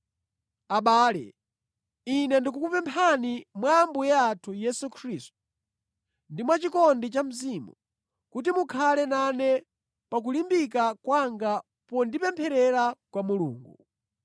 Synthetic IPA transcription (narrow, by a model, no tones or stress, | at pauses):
aɓaːlɛ̰ | inɛndik̬ukupɛmpʰanimwambujatʰujɛsukʰɾistu̥ | ndimwat͡ʃikɔndit͡ʃam̩zimṵ | kut̬imukʰalɛnanɛ | pak̬ulimbikakwaŋɡa | pɔndipɛmpʰɛɾɛɾakwamulṵːŋɡu